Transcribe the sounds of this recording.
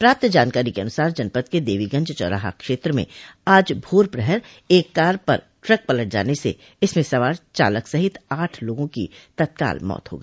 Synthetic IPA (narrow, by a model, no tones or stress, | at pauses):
pɾaːp̚t̪d͡ʒaːnkaːɾikeɐnʊsaːɾd͡ʒɐnpət̪ked̪eːʋiɡɐ̃ɲd͡ʒt͡ʃɔ̰ːɾa̰ːɦa̰kʃeːt̪ɾəmḛ̃aːd͡ʒbʱoːɾpɾɛɦɛɾ | eːkːaːɾpɐ̰ɾ | ʈɾɐk̚pɐləʈ̚d͡ʒa̰ːnesḛ | ɪsmẽsɐʋaːɾt͡ʃa̰ːləksɐɦɪt̪aːʈʰloːɡõkḭt̪ɐt̪̚ka̰ːlmɔ̰ːt̪ɦo̰ːɡəiiː